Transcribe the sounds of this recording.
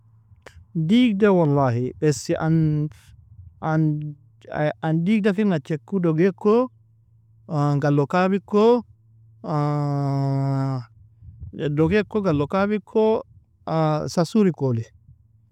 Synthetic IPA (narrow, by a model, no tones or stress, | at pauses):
diɡdawalːaːhibɛsiʔan | an | andiːɡ̚dafinat͡ʃekːudoɡekːo | ɡalːokabikːo | doɡekːoɡalːokabikʰːo | sasuɾikoli